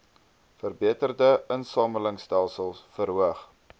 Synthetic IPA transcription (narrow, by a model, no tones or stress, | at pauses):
fərbiətərdəənsɑːmələŋstælˠsəlˠsfəɾɦuəχ